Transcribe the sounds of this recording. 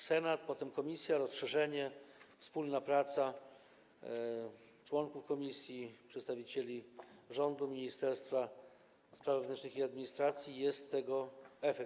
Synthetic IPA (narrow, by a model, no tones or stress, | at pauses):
sɛnat̪pɔt̪ɛmkɔmʲisʲjaɾɔsʂɛʐɛɲɛfspulnapɾat̪sa | t͡ʂwɔŋkufkɔmʲisʲjipʂɛt̪st̪avʲit͡ɕelʲiʐɔnd̪umʲiɲist̪ɛɾst̪fa | spɾavɛvnɛnt͡ʂnɘxiad̪mʲiɲist̪ɾat̪sʲjijɛst̪ːɛɡɔɛfɛk